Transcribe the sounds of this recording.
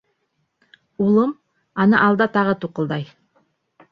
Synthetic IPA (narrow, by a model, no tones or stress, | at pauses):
ulˠɤm | ɑnɤʔɑlˠd̪ɑt̪ɑʁɤt̪uqɤ̆lˠd̪ɑj